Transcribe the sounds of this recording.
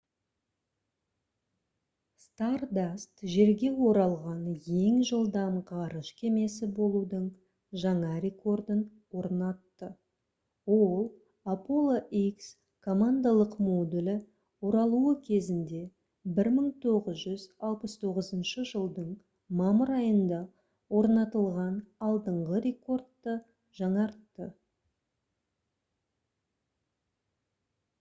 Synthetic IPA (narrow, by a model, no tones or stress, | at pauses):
st̪ard̪ast̪ʒe̞ɾɡʲe̞wo̞ɾɑlˠʁɑnje̞ŋʒəlˠd̪ɑmqʰɑɾəʃkʲʰe̞me̞sɪbo̞lˠud̪əɴ | ʒɑɴɑɾʲe̞ko̞rd̪ən | wo̞ɾnɑt̪ːə | wolˠ | apo̞lˠoʔiks | kʰo̞mand̪alˠəqmod̪ulʲɪ | oɾɑlˠuəkʲʰe̞zɪnd̪e̞ | bɪɾməɴt̪ʰo̞ʁəzʒʏzɑlˠpəst̪ʰo̞ʁəzənʃəʒəlˠd̪əɴ | mɑməɾɑjənd̪ɑ | wo̞ɾnɑt̪əlˠʁɑnɑlˠd̪əɴʁəɾe̞ko̞rd̪ːə | ʒɑɴɑɾt̪ːə